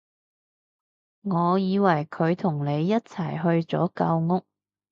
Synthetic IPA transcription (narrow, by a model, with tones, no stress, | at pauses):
ŋɔː˨˧jiː˨˧wɐ˨˩jkʰɵ˨˧ɥt̪ʰʊ˨˩ŋne˨˧jːɐ˥t̚t͡sʰɐ˨˩jɦɵ˧ɥt͡sɔ̰ː˨˥kɐ˧wŋʊ˥k̚